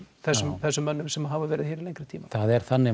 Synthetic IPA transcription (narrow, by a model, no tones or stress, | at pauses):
θɛsːʏmθɛsːʏmːœnːʏmsɛmɦaːvavɛːɾɪðçɛːɾɪðlejŋkɾɪt̪ʰiːmaθaðɛɾ̥θanːɪ